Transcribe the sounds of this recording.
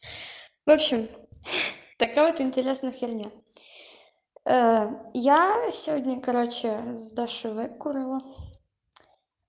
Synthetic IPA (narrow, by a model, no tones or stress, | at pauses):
vopɕɪm | t̪ɐkavot̪ɪnʲtʲɪɾʲe̞snɨxɪrʲnʲa | əjasʲɪvodʲnʲəkɐɾot͡ɕɪzd̪aʂɨvɛkʊɾɨlˠə